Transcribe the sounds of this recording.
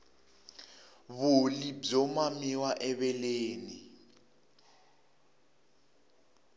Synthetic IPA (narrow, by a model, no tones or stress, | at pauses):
βʊlib͡ʐɔmamiwaʔɛβɛleːni